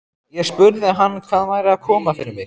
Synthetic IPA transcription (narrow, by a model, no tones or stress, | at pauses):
jɛɣspʏɾðɪɦanːkʰv̥aːðvaːjɾɪaðkʰɔːmafɪɾɪɾmɪɣ